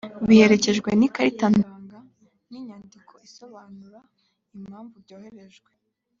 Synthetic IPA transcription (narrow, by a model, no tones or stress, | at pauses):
βihe̞ɾe̞ce̞ʒɡwenikaɾitanaːŋɡa | niɲandikʰo̞iso̞βaːnuɾa | imhaːɱvuɾɟoːhe̞ɾe̞ʒɡwe